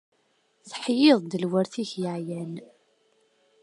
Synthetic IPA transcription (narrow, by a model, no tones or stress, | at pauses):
θħjɪðˤd̪əlwəɾθiçjəʕjæn